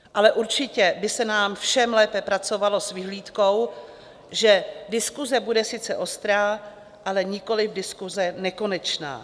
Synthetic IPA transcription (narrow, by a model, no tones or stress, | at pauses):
ʔalɛʔuɾt͡ʃɪcɛbɪsɛnaːmfʃɛmlɛːpɛpɾat͡so̞valo̞svɪɦliːt̪ko̞w | ʒɛdɪskuzɛbudɛsɪt͡sɛʔo̞st̪ɾaː | ʔalɛɲɪko̞lɪfdɪskuzɛnɛko̞nɛt͡ʃna̰ː